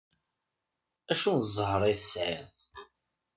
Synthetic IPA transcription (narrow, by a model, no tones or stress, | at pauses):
æʃunzˤəɦɾˤiθəsʕɪðˤ